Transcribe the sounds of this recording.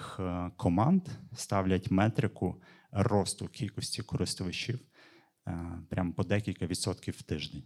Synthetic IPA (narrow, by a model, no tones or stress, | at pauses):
xkʰɔmɑnd̪st̪ɑwlʲɐtʲmɛt̪ɾɪkʊ | rɔst̪ʊkʲʰilʲkɔsʲtʲikɔɾɪst̪ʊʋɪt͡ʃiw | pɾʲʔampɔd̪ɛkʲilʲkɐʋʲid̪sɔt̪kʲiwːt̪ɪʒd̪enʲ